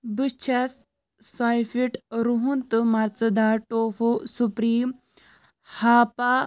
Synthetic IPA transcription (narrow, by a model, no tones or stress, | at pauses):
bist͡ʃʰas | sajfiʈɾuɦunt̪ɨmaɾt͡sɐd̪aʈofosupɾiːm | hapa